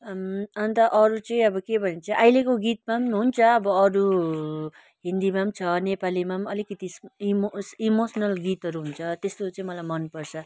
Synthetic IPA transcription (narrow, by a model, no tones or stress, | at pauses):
mʌnt̪ʌʔʌɾut͡sʌĩʌbʌkebʱʌnent͡sʌʔajlekoɡit̪̚mamɦunt͡sʰʌːbʌːɾu | ɦĩnd̪imamt͡sʰʌnepalimamʌlikʌt̪ismsimosʌnʌlɡit̪ɦʌɾuɦunt͡sʰʌt̪est̪ot͡sʌĩmʌlajmʌnpʌrt͡sʰʌ